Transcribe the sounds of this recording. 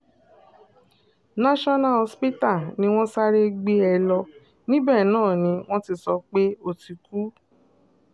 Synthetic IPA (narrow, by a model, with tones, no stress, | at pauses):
nã˦ʃɔ˦na˦˧ɔ˧spi˦ta˦˨nĩ˧w̃ɔ̃˦sa˦ɾe˦ɡ͡be˦ɛ˧lɔ˧ | nĩ˦bɛ˦˨nãː˦˨nĩ˧w̃ɔ̃˦ti˦˧˨sɔ˧˦k͡pe˦o˧ti˧ku˨˦